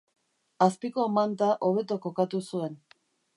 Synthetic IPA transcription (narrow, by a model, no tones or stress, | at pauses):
aspiko̞mant̪aʔo̞β̞e̞t̪o̞ko̞kat̪usue̞n